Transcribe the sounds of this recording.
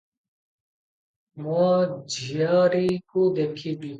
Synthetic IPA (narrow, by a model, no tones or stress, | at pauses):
mad͡ʒʱijaːɾikod̪eːkʰiːbi